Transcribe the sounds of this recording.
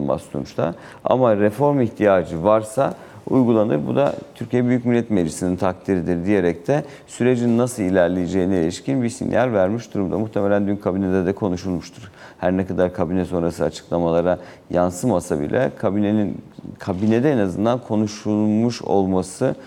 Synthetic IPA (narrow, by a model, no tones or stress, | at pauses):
ba̰slˠṵnt͡ʃt̪ʰa̰ | a̰maɾefo̞ɾmiçt̪ʰijaːd͡ʒɯvaɾsa | ṵjɡulˠanɯɾbud̪a̰t̪ʰyɾcijɛbyjyc̚milʲːɛt̪meisinint̪ʰak̚t̪ʰiɾid̪iɾd̪ije̞ɾɛc̚t̪ʰɛ | syɾe̞d͡ʒinnːasɯlilʲæɾlʲejed͡ʒejinielʲiʃcinbisḭnjalʲvæɾmiʃd̪uɾumd̪amuht̪ʰemelʲænd̪ynkʰabinɛd̪ɛd̪ɛkʰo̞nuʃulˠmuʃt̪ʰuɾ̥hæɾnɛkad̪aɾkʰabinɛso̞nɾasɯat͡ʃʰɯ̥klˠamalˠaɾa | jansɯmasabḭlʲʔɛ̰kʰabineninkʰabined̪ɛenazɯnd̪ankʰo̞nuʃulˠmuʃo̞̰lˠmasɯ